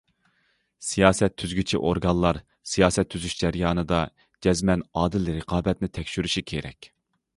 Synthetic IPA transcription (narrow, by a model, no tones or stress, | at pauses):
sijɑːsɛt̪ʰːyzɡʲyt͡ʃʰḭʔoɾɡɑnlˠɑɾ | sijɑːsɛt̪ʰːyzyʃd͡ʒɛɾjɑːnɨd̪ɑ | d͡ʒɛzmɛnɑːd̪ɪlɾəqʰɑːbɛt̪nɪt̪ʰɛkʲʃyɾyʃikʲʰeɾɛ̰kʲ